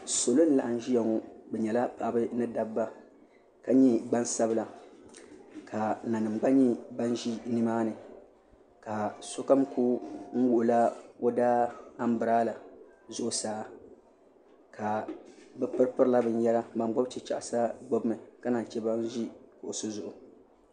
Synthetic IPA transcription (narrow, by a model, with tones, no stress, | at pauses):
so˨lo˦n̩˦la̰˨ʔa˨n˦ʒi˦ja˨ŋɔ˦bɛ˨ɲɛ˨la˦pa˨bɨ˦nɨ˦da˨bba˦ | ka˦ɲɛ˦ɡ͡ba˦nsa˦bla˨ | kʰa˨na˨nɨ˨mɡ͡ba˦ɲɛ˦ba˦nʒi˦nɨ˦maː˦nɨ˨ | ka˨so˦ka˦mku˦ŋ̩˦wʊ˨ʔʊ˨la˦o˦daː˦a˦m˦bɨ˨ɾaː˦la˨ | zʊ˦ʔʊ˨saː˦ | kʰa˨bɨ˦pɨ˦ɾpɨ˦ɾla˦bɨ˨n˦jɛ˦la˦ba˨m˦ɡ͡bo˦bt͡ʃɛ˨t͡ʃa̰˦˨ʔa˨sa˦ɡ͡bo˦bɨ˦mɨ˨ka˦na˨n˨t͡ʃɛ˦ba˦n˦ʒi˦kʊ˨ʔʊ˨sɨ˦zʊ˨ʔʊ˨